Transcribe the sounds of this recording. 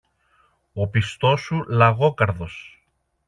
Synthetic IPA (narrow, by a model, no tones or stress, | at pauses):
o̞pist̪o̞sulɐɣo̞kɐɾðo̞s